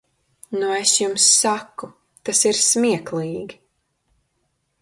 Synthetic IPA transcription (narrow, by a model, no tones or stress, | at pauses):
nuesjumsːaku | t̪asiɾsmiɛklˠiːɡi